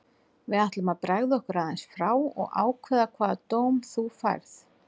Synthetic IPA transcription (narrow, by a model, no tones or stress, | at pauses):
vɪðaht̪lʏmaðpɾaɣðɪɔhkʏɾaːðajnsfɾaːwɔ̰ɣʔa̰ːwkʰvɛðakʰvaːðat̪oːwmθufa̰jɾθ